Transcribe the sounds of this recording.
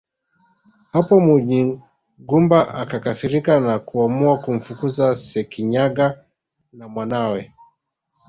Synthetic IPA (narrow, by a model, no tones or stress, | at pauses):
hapɔmuɲi | ɡumbaʔakakasiɾikanakuamuakum̩fukuzasɛkiɲaɡa | namwanawɛ